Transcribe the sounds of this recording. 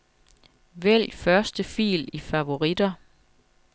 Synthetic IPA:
ʋel̰fɶɐsd̥əfḭːlifæʋo̝ʁid̥ɐ

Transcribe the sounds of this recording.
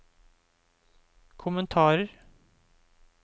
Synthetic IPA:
kʰʊmənt̪ʰɑːɾəɾ

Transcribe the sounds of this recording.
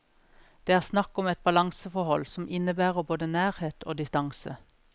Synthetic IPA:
d̪̥eːæːʁsnɑkɔmɛt̪̚bɑlɑŋsəfɔhɔlsɔmʔɪnəbæːʁəboːd̪ənæːʁheːt̪ʰo̰ːd̪ɪst̪ɑŋsə̰

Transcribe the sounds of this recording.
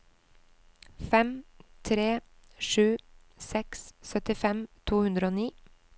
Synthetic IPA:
fɛmt̪ʰɾeːʃʉː | sɛkssœt̪ɪfɛmt̪ʰuːhʉnd̪ɾəoːniː

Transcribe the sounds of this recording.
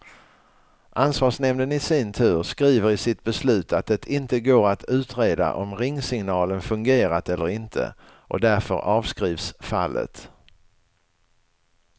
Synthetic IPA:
ʔansvɑːʂnɛmnənɪsɪnt̪ʰʉ̟ːɾskɾiːvəɾɪsɪt̪̚bɛslʉ̟ːt̪ʰat̪̚d̪ɛt̪ʰɪnt̪əɡoːɾat̪ʰʉ̟ːt̪ɾeːd̪a̰ʔɔmɾɪŋːsɪŋnɑːlənfɵŋɡeːɾat̪ɛlːəɾɪnt̪ʰə̰ | ʔɔd̪æɾfœ̰ɾɑːvskɾiːvsfa̰lːə̰t̪

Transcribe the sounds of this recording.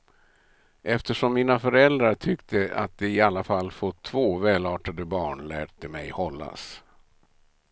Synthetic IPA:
ʔɛft̪əʂɔmːiːnafœɾɛld̪ɾaʈʰʏkt̪ʰəa̰t̪̚d̪ɛɪalːafalːfot̪ʰːvoːvɛːlɑːʈad̪əbɑːɳlæ̰ːʈ̚d̪əmɛjhɔlːa̰s

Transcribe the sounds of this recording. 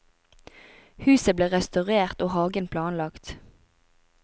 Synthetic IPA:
hʉːsəbleːʁɛst̪ɑʁeːʁt̪oːhɑːɡənpʰlɑːnlɑkt̪

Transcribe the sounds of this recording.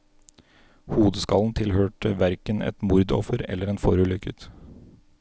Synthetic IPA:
huːd̪əskɑln̩t̪ʰɪlhøːʈəʋæɾkənɛ̰t̪mʊɾd̪ɔ̰fəɾɛ̰lːəɾɛːnfɔɾʉːlʏkət̪

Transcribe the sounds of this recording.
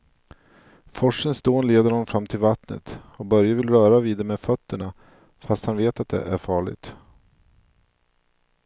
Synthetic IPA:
fɔʂənsd̪oːnleːd̪əɾhɔnɔmfɾamːt̪ʰɪlvat̪nə̰t̪ɔbœɾjavɪlɾœːɾaviːd̪əmeːd̪fœt̪ːəɳa | fast̪hanveːt̪at̪̚d̪ɛ̰ʔæɾfɑːɭɪ̰ɡ̚t̪

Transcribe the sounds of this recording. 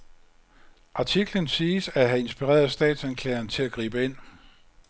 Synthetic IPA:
ʔɑ̈t͡sʰiɡ̥lənsiːsæɦæe̝nsb̥iʁɛ̰ːɐðˠsd̥ɛ̰ːd̥sænkʰlɛ̰ːɐŋt͡sʰe̝læɡ̥ʁḭːb̥əe̝n̰

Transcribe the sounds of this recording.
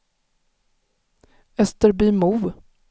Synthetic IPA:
ɛst̪əɾbiːmuv

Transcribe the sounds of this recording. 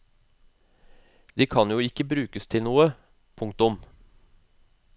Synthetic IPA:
d̪̥iːkʰɑnjuːɪkəbɾʉːkəst̪ʰɪlnuːə | pʰʊŋk̚t̪ʊm

